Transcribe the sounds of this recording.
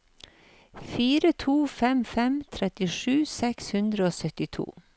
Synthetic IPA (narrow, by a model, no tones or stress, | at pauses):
fiːɾət̪ʰuːfɛmfɛmt̪ʰɾɛt̪ɪʂʉːsɛkshʉnd̪ɾəoːsœt̪ɪt̪ʰṵː